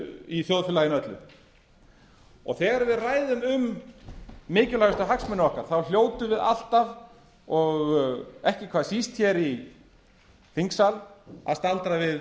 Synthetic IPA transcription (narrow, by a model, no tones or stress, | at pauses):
iθjowðfɪlajɪnœt̪lʏ̰ | ɔ̰ɣθɛːɣaɾvɪðraːjðʏmʏmː | ɪːcʏlaɣʏst̪aɦaksmɛnaɔhkaɾ̥θawl̥joːwt̪ʏvɪða̰l̥t̪av | ɔɣɛhcɪkʰvaːðsist̪çɛɾi | θiŋksala̰ðst̪alt̪ɾavɪð